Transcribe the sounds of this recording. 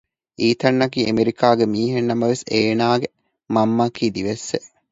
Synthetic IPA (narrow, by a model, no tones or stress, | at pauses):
iːt̪ɐnːɐkiːemeɾikaːɡemiːɦenːɐmɐʋeseːnaːɡe | mɐmːakiːd̪iʋesːe